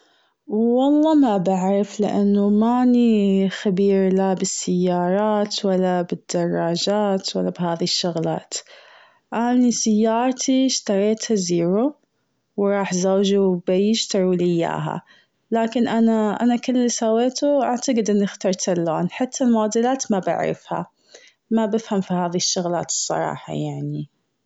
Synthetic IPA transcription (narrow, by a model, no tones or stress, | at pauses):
wːɑlˤːɑːmabaʕɾˤɪflɪ̰ʔa̰nːʊmanixabiːɾlabɪsːɪjːɑːɾˤɑːt̪walːabɪd̪̥ːɑrˤːɑːd͡ʒaːt̪walːabhaːðiʃːʊɣla̰ːt̪ | ʔanisɪjːɑːɾˤt̪ʰiʃt̪ɑɾˤeːt̪haziːɾu | wɾˤɑːħzawd͡ʒubɪjɪʃt̪ɑɾulɪjːa̰ːɦa̰ | laːkɪnʔanaʔa̰nakʊlːisaweːt̪uʔaʕt̪ɑɡɪd̪ʔɪnːɪxt̪ɑɾˤt̪alːoːnħat̪ʰːalmaːd̪ɪlaːt̪mabɪ̰ʕɾɪ̰fha̰ | mabɪfhamfihaːðiʃːʊɣlaːt̪ɨ̥sˤːɑ̰ɾˤɑ̰ːħɑ̰jaʕni